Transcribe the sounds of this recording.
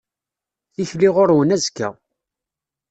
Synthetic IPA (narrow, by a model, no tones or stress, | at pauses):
θiçliʁʊɾwənæzkːæ̰